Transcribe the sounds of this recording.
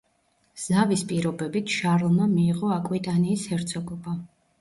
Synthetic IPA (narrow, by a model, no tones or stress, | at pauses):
z̥avispʼiɾɔbɛbit̪ʰʃaɾlˠmamiːʁɔakʼwit̪ʼaniːshɛɾt̪sʰɔɡɔba